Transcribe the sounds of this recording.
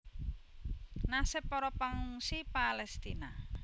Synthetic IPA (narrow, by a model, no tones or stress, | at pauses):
nasɛpɔɾɔpaŋuŋsipalɛst̪ina